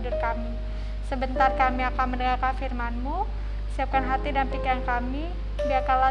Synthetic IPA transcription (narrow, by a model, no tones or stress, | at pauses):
dʊrkami | səbənt̪arkamiakanmənəŋarkanfirmanmu | siap̚kanɦat̪idampikankami | biakanla